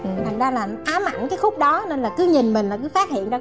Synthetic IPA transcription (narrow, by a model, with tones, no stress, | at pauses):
ʔɨ˨˩t̪ʰa˨˩ŋ̟zaː˧laː˨˩ʔaː˨˦ma̰˧˩˨nkaː˨˦jxʊ˦˥k͡p̚ɗɔ˨˦ne˧nlaː˨˩kɨ˨˦ɲï˨˩nmi˨˩ŋ̟laː˨˩kɨ˨˦faː˦˥t̚hḭ˧˨ənzaː˧